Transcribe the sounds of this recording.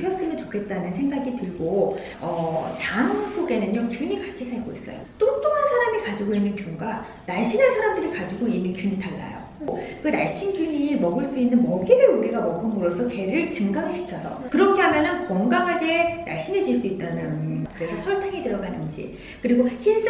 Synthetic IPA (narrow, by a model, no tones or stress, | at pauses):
pʰjʌs͈ɯnɯnt͡ɕo̥kʰe̞t̚t͈anɯnsʰe̞ŋɡaɡitɯɭɡo | ʌt͡ɕaŋŋsʰoɡe̞nɯnjʌt͡ɕuɲikḁt͡ɕʰisʰaɭɡois͈ʌ̰jo̰t͈ot͈oansʰaɾamɯɭkad͡ʑiɡoinːɯnkjuŋɡa | naɭɕ͈inɦansʰaɾamdɯɾikad͡ʑiɡoimit͡ɕuɲitaɭːa̰jo̰ | okɯna̰ɭɕ͈inkjuɲimʌɡɯɭs͈uinːɯnmʌɡiɾɯɾuɾiɡamʌɡɯmɯɾos͈ʰʌke̞ɾɯɭt͡ɕɯŋɡaŋeɕʰi̥kʰʌsʰʌ̰kɯɾʌkʰeɦamjʌnɯnkwʌŋɡaŋɦaɡe̞na̰ɭɕ͈ined͡ʑiɭs͈uit̚t͈anɯnkɯɾe̞sʰʌsʰʌɭtʰaŋetɯɾʌɡanɯnd͡ʑḭ | kɯɾiɡoçins